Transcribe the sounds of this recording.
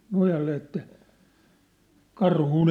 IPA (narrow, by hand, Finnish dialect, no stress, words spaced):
nojɑlːe etːæ kɑrhuˑn